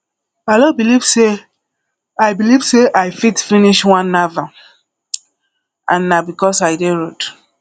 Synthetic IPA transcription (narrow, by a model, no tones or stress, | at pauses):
alobilivse | aɪbilivseʔajfitfiniʃwãnːava | ãnːabikɔsajdeɹod